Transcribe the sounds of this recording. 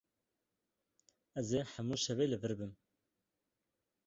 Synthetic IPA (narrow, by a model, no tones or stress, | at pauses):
ɛzeːħæmuːʃɛveːlɨvɨɾbɨm